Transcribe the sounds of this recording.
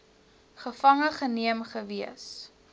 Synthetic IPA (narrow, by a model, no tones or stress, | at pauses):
χəfɐŋəχəniəmχəviəs